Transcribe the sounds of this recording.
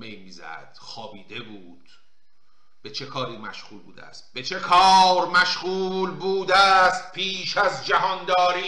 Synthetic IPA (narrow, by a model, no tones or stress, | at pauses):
mejmiːzæ̰d̪̥xɒːbiːd̪e̞buːd̪̥ | b̥e̞t͡ʃʰe̞kʰɒːɾiːmæ̰ʃɣuːlbṵːd̪ææ̰st̪̚be̞t͡ʃʰe̞kʰɒːɾmæʃɣuːlbuːd̪æːst̪̚pʰiːʃæzd͡ʒæɦɒnd̪ɒːɾiː